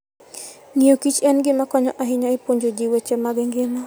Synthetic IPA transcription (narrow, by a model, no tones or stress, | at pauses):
ŋiokit͡ʃɛnɡɪmakɔɲɔʔaɦɪɲaepoɲd͡ʒod͡ʒiwet͡ʃɛmaɡɪŋɡɪnɔ